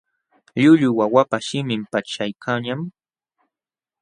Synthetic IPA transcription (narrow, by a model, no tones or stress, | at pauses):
ʎʊʎʊwawapaʃɪmɪmpat͡ʃajkʰaɲam